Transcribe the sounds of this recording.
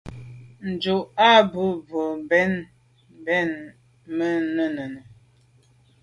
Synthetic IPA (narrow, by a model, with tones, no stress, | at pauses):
n̩˨d͡ʒu˨ʔa˦bu˦bo˨bɛ˦n | bɛ˦˨n | mə˦nə˦nə˨nə˨